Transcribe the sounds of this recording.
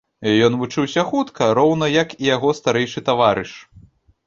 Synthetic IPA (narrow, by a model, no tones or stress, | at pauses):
jɔnvut͡ʂɨwsʲɐxut̪kʰɐɾɔwn̪ɐjɐkijaɣɔst̪aɾɛjʂɨt̪avaɾɨʂ